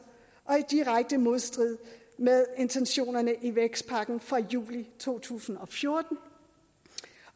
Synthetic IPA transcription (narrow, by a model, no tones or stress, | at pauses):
ʔɒ̽id̥iʁaɡ̥̚d̥əmo̝ð̞ˠsd̥ʁið̞̰ˠ | meðˠe̝nt͡sʰenɕo̝̰ːnɐnəʔiʋeɡ̥sd̥̚pʰɑ̈ɡ̥n̩fʁɑjṵːlit͡sʰo̝̰ːt͡sʰṵːsn̩ɒ̽fjo̝ɐd̥n̩